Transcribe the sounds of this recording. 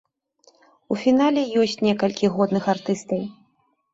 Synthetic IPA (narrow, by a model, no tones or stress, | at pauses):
ufʲin̪alʲɛjɔsʲt͡sʲnʲɛkɐlʲkʲiɣɔd̪nɨxart̪ɨst̪ɐw